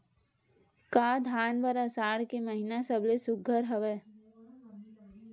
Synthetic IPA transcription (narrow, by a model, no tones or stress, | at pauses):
kaːd̪ʱaːnpəɾasaːɽkeməɦinasəblesʊɡʱəɾɦəʋeː